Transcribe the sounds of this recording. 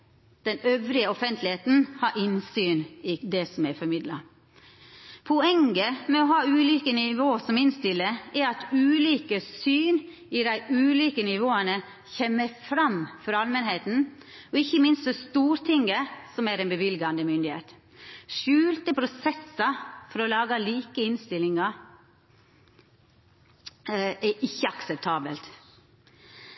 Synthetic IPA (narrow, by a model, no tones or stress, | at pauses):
d̪̥ɛnœʋɾɪəɔfɛnt̪ʰlɪheːt̪n̩hɑɾʔɪnsyːnɪd̪ɛsɔmɛɾfɔɾmɪd̪lɑ̰ | pʰɔɛŋɡəmɛɔɦɑːʉːliːkənɪʋoːsɔmɪnst̪ɪlːəɛɾɑt̪ʉːliːkəsyːn | ɪd̪æɪʉːliːkənɪʋoːənə | çɛmːəɾfɾɑmfɔɾɑlmənheːt̪n̩ | ɔɪçəmɪnst̪fɔɾst̪uːɾt̪ʰɪŋəsɔmæɾɛnbəʋɪlɡɑnd̪əmʏnd̪ɪhḛːt̪ | ʃʉːlt̪əpʰɾʊsɛsɑfɔɾɔlɑːɡɑliːkəɪnst̪ɪlːɪŋɑ | ɛʔɪçːəɑksɛp̚t̪ʰɑːbəlt̪